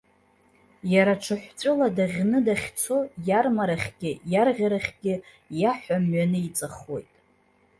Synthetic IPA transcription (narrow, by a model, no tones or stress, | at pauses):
jaɾaʈ͡ʂʰɨħᶣʷt͡sʷʼʊladaʁʲnɨdaχʲt͡sʰo̞jarmaɾaχʲɡʲɪjarʁʲaɾaχʲɡʲɪ | jaħʷamɥanɨit͡sʼaχwo̞̰jtʼ